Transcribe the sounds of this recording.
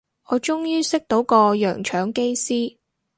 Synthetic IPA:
ʔɔː˨˧t͡ʃʊ˥ŋjyː˥sɪ˥k̚t̪o˨˥wkɔː˧jœː˨˩ŋt͡ʃʰœː˨˥ŋke˥jsiː˥

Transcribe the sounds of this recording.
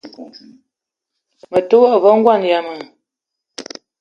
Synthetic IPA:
mə˨tə˦wɔ˦ʔvɔ˦ŋ̩˦ɡwa˦˨n˨ja˨mə˨

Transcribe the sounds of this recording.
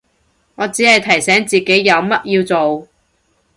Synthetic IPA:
ŋɔː˨˧t͡siː˨˥hɐ˨jt̪ʰɐ˨˩jsɛː˨˥ŋt͡siː˨ke˨˥jːɐ˨˧wmɐ˥t̚jiː˧wt͡so˨w

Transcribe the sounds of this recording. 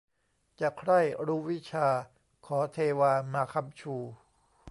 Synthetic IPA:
t͡ɕa˨˩kʰɾa˥˩jɾuː˦˥wi˦˥t͡ɕʰaː˧ | kʰɔː˩˦t̪ʰeː˧waː˧maː˧kʰa˧mt͡ɕʰuː˧˩

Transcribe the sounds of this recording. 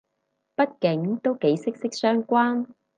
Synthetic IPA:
pɐ˥t̚kɪ˨˥ŋt̪o˥wke˨˥jsɪ˥k̚sɪ˥k̚sœː˥ŋkʷwaː˥n

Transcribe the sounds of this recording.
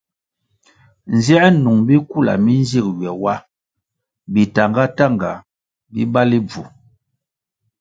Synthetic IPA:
n̩˨zɛ˦ɛ˦nu˨ŋbi˦ku˦˨la̰˨mi˦nzi˦˨k̚ɥɛ˨wa˦ | bi˨ta˨ŋɡa˦ta˦˨ŋɡa˨ | bḭ˦ba˦li˦b͡vṵ˨

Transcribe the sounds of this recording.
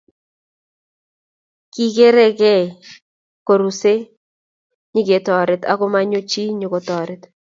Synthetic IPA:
ki˨ke˦ɾɛ˦kɛ˦˨ | ko˨ɾu˨se˦ | ɲɪ˦ɡe˨˦tɔ˨ɾɪ˨ta̰˦ko˦ma˦ɲo˦t͡ʃi˦ɲo˨ko˨tɔ˨ɾɪ˦t

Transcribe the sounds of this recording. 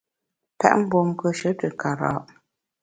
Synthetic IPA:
pɛ̰˦ʔm̩˦bo˨m˦kə˦ʃə˨˦tɨ˨ka˨ɾa̰ː˨ʔ

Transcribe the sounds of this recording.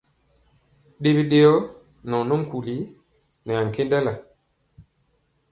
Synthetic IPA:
ɗe˦bi˦ɗe˦jɔ˦ | nɔ˨no˦m̩˦ku˨li˨˦ | nɛ˨a˨ŋ̩˨ke˦nda˦la˨

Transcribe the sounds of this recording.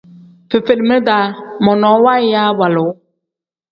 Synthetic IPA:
fe˨fe˨lmə˦daː˨˦mɔ˨nɔ˨˦wa˦jaː˦wa˨lʊ˨˦

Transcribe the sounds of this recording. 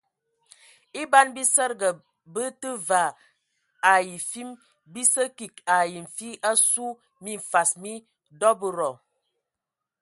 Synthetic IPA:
i˦ba˦nbi˦sə˦ɾɡə˨ | bə˦tə˦va˨ | a˨ji˨fi˦m | bi˦sə˦ki˨ka˨ji˨m̩˨fi˦ʔa˦su˦ | mi˦˨ɱ̩˨fa˨smi˦ | dɔ˦bə˦ɾɔ˨

